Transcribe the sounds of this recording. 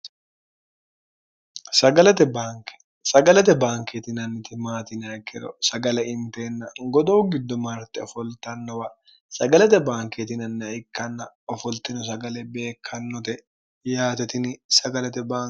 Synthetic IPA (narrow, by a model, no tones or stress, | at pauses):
sɐɡɐlɛt̪ɛbaːkɛ̥ | sɐɡɐlɛt̪ɛbaːŋket̪ɪnɐnːɪt̪ɪmaːt̪ɪnɐkʰːɛɾɔ̰sɐɡɐlɛɪnt̪e̞ːnːɐɡɔd̪oːɡɪd̪ːɔmaːɾt̪ɛɔfɔlt̪ɐnːɔwɐ | sɐɡɐlɛt̪ɛbaːŋket̪ɪnɐnːɪɐɪkːɐnːɐ | ɔfɔlt̪ɪnʊs̬ɐɡɐlɛbe̞ːkʰːɐnːɔt̪ɛ | jaːt̪ɛt̪ɪnɪsɐɡɐlɛt̪ɛbaː